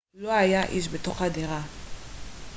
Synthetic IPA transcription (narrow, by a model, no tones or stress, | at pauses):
loajaʔiʃ̬betoχadeʁa